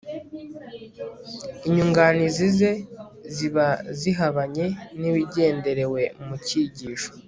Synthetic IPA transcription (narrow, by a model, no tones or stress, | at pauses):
iɲuŋɡanizize̞ | ziβaziɦaβaɲe̞niβiɟe̞ːnde̞ɾe̞we̞muciɟiːʃo̥